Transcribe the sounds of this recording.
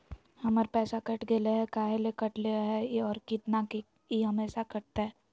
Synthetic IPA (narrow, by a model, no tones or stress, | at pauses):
hɐməɾpɛːsakɐʈɡeleɦɛkaːɦelekɐʈleɦɛɔːɾkɪt̪nake | iɦɐmeːʃakɐʈ̚t̪aɦɛː